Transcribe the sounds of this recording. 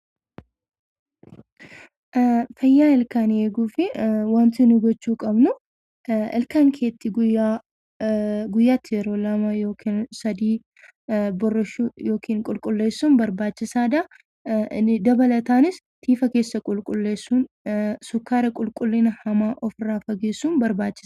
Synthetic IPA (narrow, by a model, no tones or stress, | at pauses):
fɐjːaːɪlkaːneːɡuːfɪwɐnt̪ɪnʊɡɔt͡ʃːuːkʼɐbnʊ | ɪ̰lkaŋkʰe̞ːt̪ːɪɡʊja | ɡʊjːaːt̪ːɪjɛɾoːlɐmajoːkʰensɐd̪iː | bɔrːɐʃujo̞ːkʰiːnkʼʊlkʼʊlːeːsːunbɐɾbaːt͡ʃːɪsaːd̪a | d̪ɐbɐlɐt̪aːnɪs | t̪ʰiːfɐke̞ːsːɐkʼʊlkʼʊlːeːsːun | sʊkːaːɾɐkʼʊlkʼʊlːɪnɐhɐmaːʔɔfɪraːfɐɡeːsːuːnbɐɾbaːt͡ʃːɪ̥s